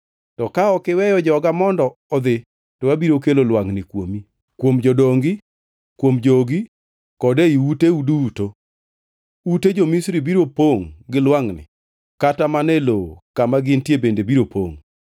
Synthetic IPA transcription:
tɔkaɔkɪwɛjɔd͡ʒɔɡamɔndɔːd̪ɪ | tɔwabiɾokelolwaŋnɪkwo̰mi | kwomd͡ʒɔdoŋɡɪ | kwomd͡ʒoɡi | kɔdeiuteuduto | uted͡ʒomisɾibiɾopoŋɡɪlwaŋnɪ̰ | katamanɛlokamaɡɪntjebendebiɾopʰo̰ŋ

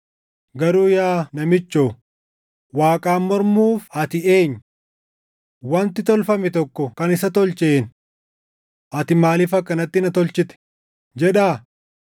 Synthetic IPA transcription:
ɡɐɾuːjaːnɐmɪt͡ʃːoː | waːkʼaːmːɔɾmuːfɐt̪ɪe̞ːɲː | wɐnt̪ɪt̪ɔlfɐmɛt̪ɔkːɔkɐnɪsɐt̪ɔlt͡ʃeːn | ʔɐt̪ɪmaːliːfɐkːɐnɐt̪ːɪnɐt̪ɔlt͡ʃɪt̪ɛ̥ | d͡ʒɛᶑaː

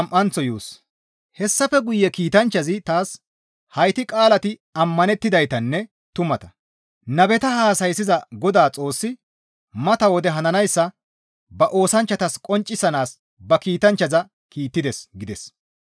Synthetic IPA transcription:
ɐmʔɐnt͡sɔjuːs | hɛsːɐfɛɡʊjːɛkiːt̪ɐnt͡ʃːɐzɪt̪aːs | hɐjt̪ɪkʼaːlɐt̪ɪɐmːɐnɛt̪ːɪd̪ɐjt̪ɐnːɛ | t̪ʊmɐt̪ɐ | nɐbɛt̪ɐhaːsɐjsɪzɐɡɔd̪aːt͡sʼo̞ːsːɪ | mɐt̪ɐwɔd̪ɛɦɐnɐnɐjsːɐ | bɐʔo̞ːsɐnt͡ʃːɐt̪ɐskʼɔnt͡ʃʼːɪsɐnaːs | bɐkiːt̪ɐnt͡ʃːɐzɐ | kiːt̪ːɪd̪ɛsɡɪd̪ɛs

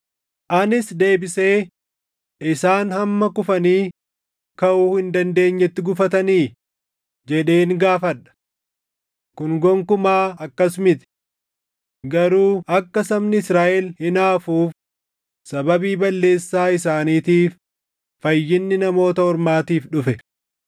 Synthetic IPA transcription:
ʔɐnɪsd̪e̞ːbɪse̞ː | ʔɪsaːnhɐmːɐkʊfɐniː | kɐʔuːhɪnd̪ɐnd̪e̞ːɲːɛt̪ːɪɡʊfɐt̪ɐniː | d͡ʒɛᶑe̞ːŋɡaːfɐᶑɐ̥ | kʊnɡɔŋkʊmaːɐkːɐsmɪt̪ɪ̥ | ɡɐɾuːʔɐkːɐsɐmnɪɪsɾaːʔɛlhɪnaːfuːf | sɐbɐbiːbɐlːe̞ːsːaːɪs̬aːniːt̪iːfː | ɐjːɪnːɪnɐmo̞ːt̪ɐhɔɾmaːt̪iːfᶑʊfɛ

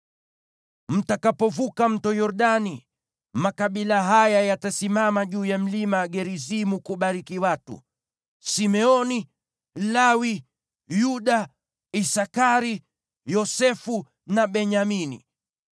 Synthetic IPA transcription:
m̩takapɔvukam̩tɔjɔɾɗani | makaɓilaɦajajatasimamaʄuːjam̩limaɡɛɾizimukuɓaɾikiwatṵ | simɛɔni | lawi | juɗa | isakaɾi | jɔsɛfu | naɓɛɲaminḭ

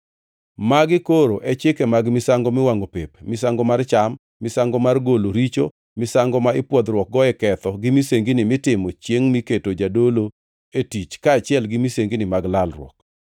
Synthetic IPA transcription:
maɡɪkoɾoʔɛt͡ʃɪkɛmaɡmɪsaŋɡɔmɪwaŋopepmɪsaŋɡɔmart͡ʃamːɪsaŋɡɔmarɡoloɾit͡ʃo | mɪsaŋɡɔmaɪpwɔd̪rɾwɔk̚ɡɔɛkɛt̪ɔɡɪmiseŋɡinɪmɪtɪmɔt͡ʃjeŋmiketod͡ʒadolo | etit͡ʃkaːt͡ʃɪjɛlɡɪmiseŋɡinɪmaɡlalrwɔ̰k

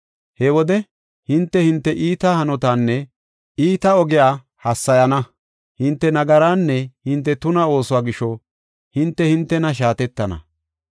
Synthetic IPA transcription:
hɛwɔd̪ɛ | hɪnt̪ːɛhɪnt̪ːɛʔiːt̪ahɐnɔt̪aːnːɛ | iːt̪ɐɔɡɪjaː | hɐsːɐjɐnɐ | hɪnt̪ːɛnɐɡɐɾaːnːɛhɪnt̪ːɛt̪ʊnɐo̞ːsʊwaːɡɪʃːɔ | hɪnt̪ːɛhɪnt̪ːɛnɐʃ̬aːt̪ɛt̪ːɐnɐ̰

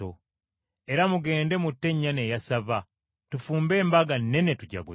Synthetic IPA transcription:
o | e̞ɾamuɡe̞ːnde̞mutːe̞ɲːane̞jasava | tufuːmbe̞ːmbaɡanːe̞netuɟa̰ɡu

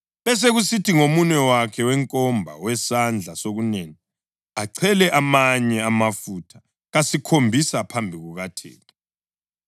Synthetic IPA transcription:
βɛs̬eɣusitʰiŋomunɛwakʰɛwɛŋkʼɔmbʱa̰wɛsand͡ɮʱasoɣuneːni | aǀʰɛlɛʔamaɲɛamafutʰḁ | ɣasikʰombʱisapʰambʱiɣuɣatʰḛːtʰʼɔ̥

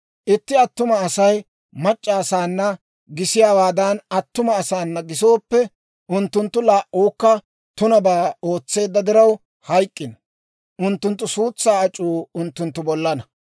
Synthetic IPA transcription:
ʔɪt̪ːɪɐt̪ːʊmɐːsɐj | mɐt͡ʃʼːaːsaːnːɐ | ɡɪsɪjaːwaːd̪ɐnɐt̪ːʊmɐːsaːnːɐɡɪso̞ːpːɛ | ʔʊnt̪ːʊnt̪ːʊlaːʔːoːkːɐ | t̪ʊnɐbaːo̞ːt͡sːe̞ːd̪ːɐd̪ɪɾɐw | hɐjkʼːɪnɐ | ʔʊnt̪ːʊnt̪ːʊsuːt͡sːaːɐt͡ʃʼːuːʊnt̪ːʊnt̪ːʊbɔlːɐnɐ

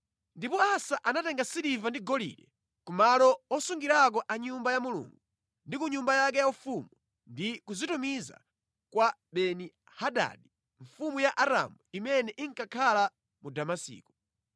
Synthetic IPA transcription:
ndipɔasaʔanatɛŋɡasiɾivandiɡɔlḭɾɛ | kumalɔɔsuŋɡiɾak̬ɔʔaɲumbajamulṵŋɡu | ndikuɲumbajak̬ɛjaufumu | ndikuzitumiza̰ | kwaɓɛni | haɗa̰ɗi | ɱ̩fumujaʔaɾa̰muimɛnɛʔiŋkakʰala | mudamasḭːku̥

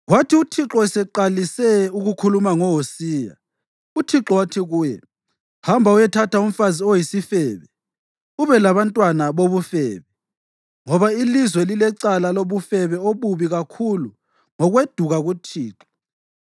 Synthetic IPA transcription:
ɣwatʰiutʰiǁɔɛsɛǃalisɛuɣukʰulumaŋɔɦosiːja̰ | utʰiǁɔwatʰiɣuːjɛ | hambʱaujɛtʰatʰaum̩faziojisifɛːβɛ | uβɛlaβantʼwanaβoβufɛːβɛ | ŋɔβailizwɛlilɛǀalaloβufɛβɛoβuβiɣakʰulu | ŋɔɣwed̥ʱuɣaɣutʰiːǁɔ

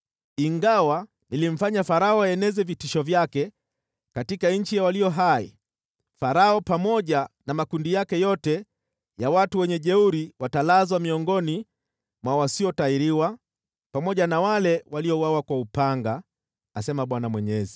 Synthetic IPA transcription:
iŋɡawa | nilim̩faɲafaɾaɔaɛnɛzɛvitiʃɔvjakɛ | katikaɲ̩t͡ʃijawaliɔɦaḭ | faɾaɔpamɔʄanamakundijakɛjɔtɛ | jawatuwɛɲɛʄɛuɾiwatalazwamiɔŋɡɔni | mwawasiɔtaiɾiwa | pamɔʄanawalɛwaliɔwawakwaupaŋɡaː | sɛmaɓwanamwɛɲɛzi

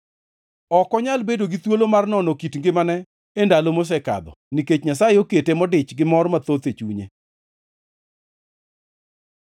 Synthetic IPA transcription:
ɔkɔɲalbedoɡit̪wolomarnɔnɔkitŋɡɪmanɛ | endalomos̬ɛka̰d̪ɔ̰niket͡ʃɲasajeoketemɔdɪt͡ʃɡɪmɔrmat̪ot̪et͡ʃuɲḛ

